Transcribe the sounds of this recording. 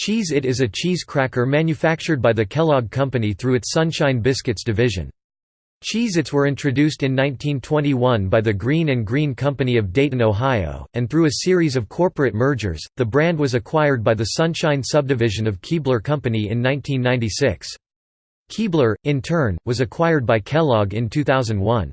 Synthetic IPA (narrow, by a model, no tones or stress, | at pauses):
t͡ʃʰizɨɾɨzɨt͡ʃʰiz̥kʰɹ̥ækə˞mæ̃njɨfæk̚t͡ʃə˞d̚baɪðɨkʰɛlˠɑɡ̚kʰʌ̃mpɨniθɹʉɨtsʌ̃nʃãɪ̃nbɪskɨtsd̥ɨvɪʒɨ̰̃n | t͡ʃʰizɨtswə˞ɪ̃ntʰɹ̥ɨdʉstɨ̃nːãɪ̃ntʰĩntʰw̥ɛ̃ɾ̃iwʌ̃nbaɪðɨɡɹĩnɨ̃nɡɹĩnkʰʌ̃mpɨniʌvdeɪɾɨ̃noʊɦaɪo̰ʊɨ̃nθɹʉɨsɪɹizʌv̥kʰɔɹpɹɨt̚mɜ˞d͡ʒə̰˞z̥ðɨbɹæ̃nd̚wʌzɨkʰw̥aɪə˞d̚baɪðɨsʌ̃nʃãɪ̃nsʌb̚dɨvɪʒɨ̃nʌv̥kʰiblə˞kʰʌ̃mpɨniɪ̰̃nːãɪ̃ntʰĩnːãɪ̃ntisɪks | kʰiblˠə˞ɨ̃ntʰɜ̃˞nwʌzɨkʰw̥aɪə˞d̚baɪkʰɛlˠɑɡɨ̃ntʰʉθaʊzɨ̃n̩d̚wʌ̃n